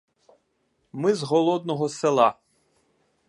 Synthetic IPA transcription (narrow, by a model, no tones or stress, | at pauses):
mɪzɦɔlˠɔd̪nɔɦɔselˠɑ